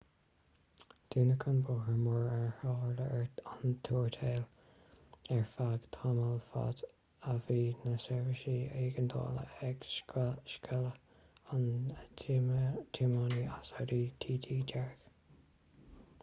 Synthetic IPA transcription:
d̪̥iːnəkʰənboːhəmɔɹɛɹhoːɹləɹant̪ʰuːɹt̪ʰeːl | ɛɹfaɡ̥t̪ʰaməlfa̰d̪ | əviːnəsɛɹvəʃiːeːɡənd̪o̰ːlə̰ɛɡʃkʃkʰɛlə | n | t̪ʰimaniasaɾiːt̪ʰiːt̪ʰiːdɛɹɡ̥

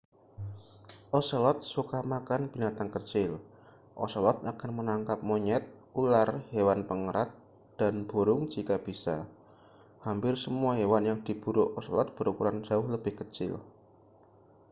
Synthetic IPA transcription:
ʔɔsɔlɔt̪̚sukamakanb̥inat̪aŋkət͡ʃɪl | ʔɔsɔlɔt̪̚akanmənaŋkap̚moɲɛt̪̚ | ularhewanpəŋəɾat̪̚ | d̥anb̥oɾʊŋt͡ʃik̪ab̥isa | hampɪrsəmuaɦewanjaŋd̪̥ib̥uɾʊʔɔsɔlɔt̪̚b̥əɾukuɾan̥d͡ʒ̥aʊhləbɪhkət͡ʃɪ̰l

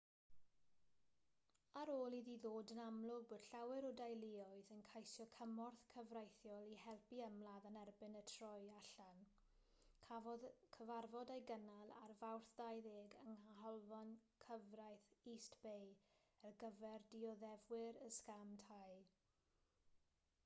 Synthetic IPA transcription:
aɾoːlˠiðiðoːdənamlˠʊboːd̥ɬawɪɾɔdajlɪɔɨðənkʰajsjɔkʰəmɔrθkʰəvrajθjɔlˠihɛlˠpiəmlˠaðənɛrbɪnətʰrɔjaɬan | kʰavɔðkʰəvarvɔdajɡənalˠa̰rvawrθdajðeːɡəŋaɦɔlˠvɔnkʰəvrajθistb̥ej | ɛrɡəvɛrdiɔðɛvwɪɾəskamtʰaj

